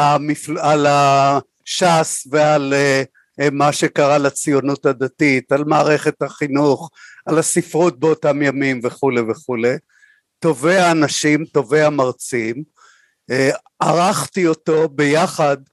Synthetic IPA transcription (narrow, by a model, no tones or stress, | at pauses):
amiflala | ʃasveale | maʃe̞kaʁalat͡sijonuthad̪atitalmaːʁeχe̞thaχinuχalasifʁut̚beotamjamimve̞χuleveχule | to̞veaːnaʃimto̞veamaʁt͡sim | e | aʁaχtioto̞be̞jaχad̪